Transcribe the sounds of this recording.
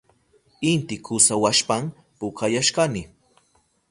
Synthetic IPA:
ɪnt̪ɪkʰʊsawaʃpam | pʊkʰajaʃkanɪ

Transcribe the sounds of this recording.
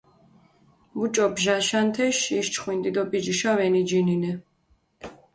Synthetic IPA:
mut͡ʃʼɔbʒaʃant̪ʰɛʃiʃt͡ʃʰχwind̪id̪ɔpʼid͡ʒiʃavɛnid͡ʒininɛ

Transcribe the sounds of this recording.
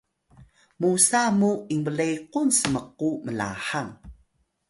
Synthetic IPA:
musamuiŋbəlejqunsəməq̚ːuməla̰ħaŋ

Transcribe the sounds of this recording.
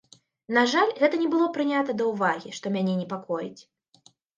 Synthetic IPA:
naʐalʲɣɛt̪ɐnʲɛbɨlˠɔpɾɨnʲat̪ɐd̪ɐwvaɣʲiʂt̪ɔmʲanʲɛnʲɛpakɔjit͡sʲ

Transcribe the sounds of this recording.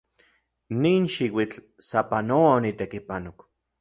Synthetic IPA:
niːnʃiwit͡ɬ | sapanowaonit̪ekipanok

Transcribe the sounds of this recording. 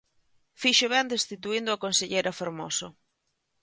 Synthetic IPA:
fiʃoβɛnd̪est̪it̪uind̪ʊakonseʎejɾɐfoɾmoso

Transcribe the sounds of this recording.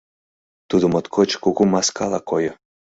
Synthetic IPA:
t̪ud̪umot̪kʰot͡ɕkuɣumaskalˠakojɔ

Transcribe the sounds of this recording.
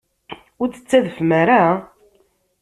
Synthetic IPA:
ʊɾt͡sːə̥t͡sːæðəfmæɾa

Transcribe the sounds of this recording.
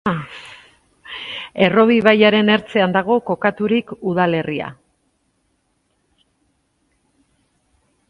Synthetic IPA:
e̞ro̞βiβ̞ajaɾe̞ne̞ɾt͡se̞and̪aɣ̞o̞ko̞kat̪uɾikuð̞ale̞ria̰

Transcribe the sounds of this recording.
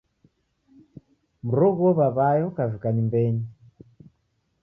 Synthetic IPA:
muɾɔɣɔβaβajɔkavukaɲimbɛɲi

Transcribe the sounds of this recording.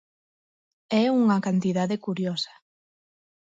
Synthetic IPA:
ɛuŋɐkant̪iðaðekuɾjɔsḁ

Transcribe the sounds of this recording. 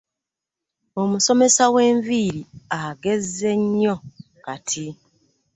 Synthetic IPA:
o̞muso̞me̞sawe̞ːɱviːɾiaɡe̞zːe̞ɲːo̞ | katʰi

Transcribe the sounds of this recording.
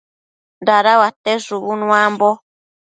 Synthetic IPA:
ndaɾawat̪eʐuβunũambo

